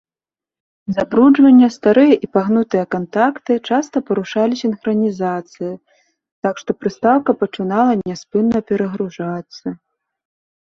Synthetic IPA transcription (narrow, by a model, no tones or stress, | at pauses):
zabɾud͡ʐvɐnʲːɐst̪aɾɨjɐʔipaɣnut̪ɨjɐkant̪akt̪ɨt͡ʂast̪ɐpɐɾuʂalʲisʲinxɾɐnʲizat̪sɨji | t̪akʂt̪ɔpɾɨst̪awkɐpɐt͡ʂɨnalˠɐnʲɛspɨnːɐpʲɛɾɐɣɾuʐat̪sːɐ